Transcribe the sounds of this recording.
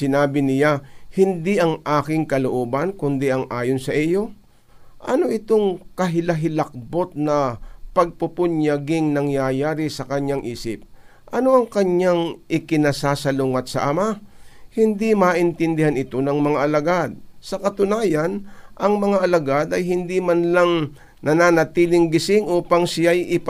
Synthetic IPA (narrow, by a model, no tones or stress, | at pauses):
sɪnaːbɪnɪlahɪnd̪iʔɐŋʔaːkɪŋkɐloʔoːbɐnkʊnd̪ɛʔɐŋʔaːjonsɐʔijo̞ | ʔɐno̞ʔɪt̪o̞ŋkɐɦɪlɐɦɪlɐk̚bo̞t̪̚nɐpɐɡ̚pʊpʊɲjɐɡɪŋnɐŋjajaːɾɪsɐkɐɲaŋʔiːsɪp̚ | ʔɐno̞ʔɐŋkɐɲaŋʔɪkɪnasaːsɐlʊŋɐt̪̚sɐ̰ʔɐmahɪnd̪imaʔɪnt̪ɪnd̪ɪhanɪt̪o̞nɐŋmɐŋaʔɐlɐɡad̪̚sɐkɐt̪ʊnaːjanʔɐŋmɐŋaʔɐlɐɡad̪ɐjɦɪnd̪imanlaŋ | nɐnanɐt̪iːlɪŋɡɪsɪŋʔuːpaŋsɪjajʔɪp